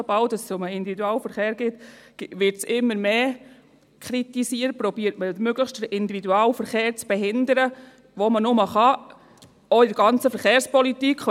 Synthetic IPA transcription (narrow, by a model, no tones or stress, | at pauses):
obɑwdɑssʊməɪndividuɑːlfəɾχeːɾɡ̥ɪt̪ʋɪɾtsɪmːəɾmeː | kʰɾit̪isiːəɾt̚pɾɔbiːəɾtməmøɡləχʃtdəɾɪnd̪ividuɑːlfəɾχeːɾt͡sb̥ɛɦɪnd̪əɾə | ʋomənʊməχɑ | ɔɪdəɾɡɑnt͡səfəɾχeːɾspɔlitikχ